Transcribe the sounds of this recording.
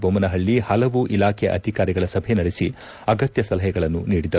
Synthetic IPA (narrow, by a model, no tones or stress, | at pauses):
bʱomɐnɐɦɐɭːihɐlɐʋuʔilaːkʰɛʔɐ̰d̪ʱikaːɾiɡɐɭɐsɐbʱenɐɽesi | ɐɡɐt̪jɐsɐlɐɦɛɡɐɭɐnːuniːɽid̪ɐ